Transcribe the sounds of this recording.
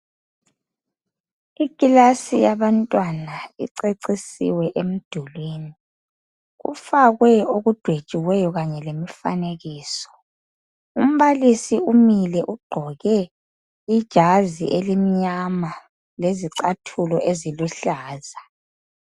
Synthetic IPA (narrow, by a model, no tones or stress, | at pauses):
ikʼilasijaβantʼwanaḭǀeǀisḭwɛʔem̩d̥ʱulwiːni | ɣṵfaɣwɛoɣud̥ʱwed̥ʒ̥ʼʱiwɛjɔɣaɲɛlemifa̰neɣiːsɔ̥ | um̩βalisiumilɛʔuɡ͡ǃʱɔɣɛ | id̥ʒ̥ʱaziʔelimiɲama | leziǀatʰulɔʔeziluɬaːza